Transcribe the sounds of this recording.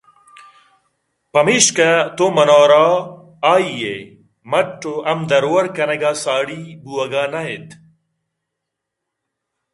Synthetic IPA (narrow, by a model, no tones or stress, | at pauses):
pɐmiɕkɐt̪omɐnaːɾaː | aːijḛ | mɐʈːoʔɐmd̪ɐɾowɐɾkɐnɐɡaːsaːɽibuɐɡaːnɐet̪